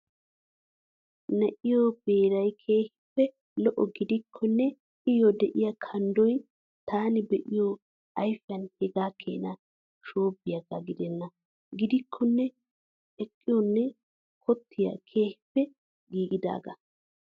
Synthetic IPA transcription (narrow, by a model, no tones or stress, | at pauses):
nɛʔɪjob̥e̞ːɾɐjkʰeːhɪ̥pːɛ | lɔʔɔɡɪd̪ɪkʰːɔnːɛ | ɪjɔd̪ɛʔɪjɐkʰɐnd̪ɔj | t̪aːnɪbɛʔɪjo | ʔɐjfɐnhɛɡaːkʰːḛːnɐ | ʃoːbːɪjɐɡɐɡɪd̪ɛnːɐ | ɡɪd̪ɪkʰːɔnːɛ | ɛkʼːɪjɔnːɛ | kʰɔt̪ʰːɪjɐ̰kʰe̞ːhɪ̥pːɛ | ɡiːɡɪd̪a̰ːɡɐ̰